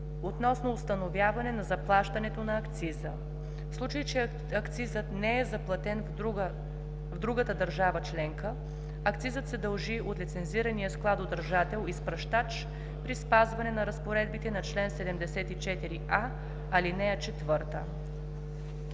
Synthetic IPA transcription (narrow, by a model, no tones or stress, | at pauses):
ot̪nɔsnoːst̪ɐnovʲjavɐnɛnɐzɐplˠaʃt̪ɐnɛt̪onɐːkt̪sizə | fslˠut͡ʃəjit͡ʃɛ | ɐkt̪sizət̪nɛɛzɐplˠɐt̪ɛn | vd̪ɾuɡət̪əd̪ɐɾʒavət͡ʃlɛŋkə | ɐkt̪sizət̪sɛd̪ɐlˠʒiʔot̪lit̪sɛnziɾɐnijəsklˠat̪od̪əɾʒat̪ɛlˠispɾɐʃt̪at͡ʃ | pɾispazvɐnɛnɐɾɐspoɾɛd̪̚bit̪ɛnɐt͡ʃlɛnsɛd̪ɛmd̪ɛsɛt̪it͡ʃɛt̪iɾiʔa | ɐlinɛɐt͡ʃɛt̪vɤɾt̪ə̰